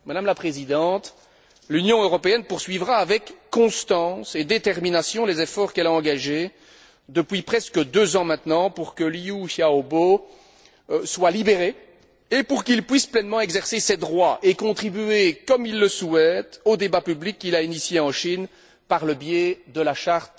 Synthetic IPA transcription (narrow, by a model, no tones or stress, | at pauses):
mad̪amlapχezid̪ɑ̃t̪ | lynjɔ̃øʁɔpeɛnpuʁsɥivʁaːvɛkːɔ̃st̪ɑ̃sed̪et̪ɛʁminasjɔ̃lezefɔʁkɛlaɑ̃ɡaʒe | d̪əpɥipχɛskəd̪øzɑ̃mɛ̃t̪nɑ̃puʁkəliuʃjaobo | swalibeʁe | epuʁkilpɥisplɛnmɑ̃ɛɡzɛʁsesed̪ʁwaʔekɔ̃t̪χibyekɔmilːəsuɛt̪od̪ebapyblikːilainisjeɑ̃ʃin | paʁləbjed̪əlaʃaʁt̪